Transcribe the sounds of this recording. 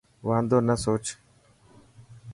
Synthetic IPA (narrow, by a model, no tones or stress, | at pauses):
ʋãːnd̪oːnəsoːt͡ʃ